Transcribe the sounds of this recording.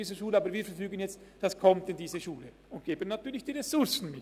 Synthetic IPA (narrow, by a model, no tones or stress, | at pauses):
iːzəʃuːləaːbəɾviːɾfɛɾfyːɡənjɛt͡std̥askʰɔmtɪndiːzəʃuːlə | ʊnt̚ɡ̥eːbənːatʰyːɐlɪçd̥iːʁɛsʊɾsn̩mɪt